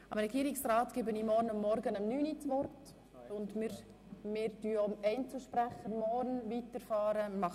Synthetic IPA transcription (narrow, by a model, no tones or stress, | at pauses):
əmɾɛɡiːɾɪksɾaːtɡ̥ɪbənimɔɾnʊmːɔɾɡənəmnyːnit͡sʋɔrt | ʊndmɪɾ | mɪːɾtyomɛɪnt͡sl̩ˠʃpɾæχəɾmɔɾnvitəɾfɑːɾəmɑ